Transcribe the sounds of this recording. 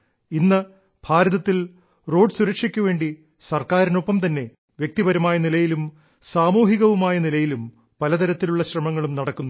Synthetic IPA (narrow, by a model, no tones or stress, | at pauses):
inːɐ | bʱaːɾɐðɐt̪ːil | ro̞ːɖsuɾɐkʂikʲːuʋe̞ːɳɖi | sɐrkaːɾino̞pːɐmt̪ɐnːe̞ | ʋjek̚t̪ibɐɾɐmaːjɐnilɐjilum | saːmuːɦiɣɐʋumaːjɐnilɐjilum | pɐlɐt̪ɐɾɐt̪ːiluɭːɐɕrɐmɐŋːɐɭumnɐɽɐkːunːu